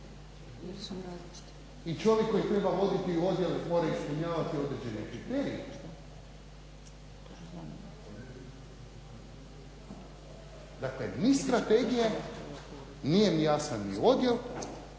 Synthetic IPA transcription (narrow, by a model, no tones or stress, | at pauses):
it͡ʃoʋjekːo̞jit̪ɾe̞baʋo̞d̪it̪io̞d̪je̞lemo̞ːɾaispuɲaːʋat̪io̞d̪ɾed͡ʑe̞nekɾit̪eːɾḭe | d̪aklḛnist̪ɾat̪e̞ɡije | nijemijaːsanːḭo̞d̪je̞l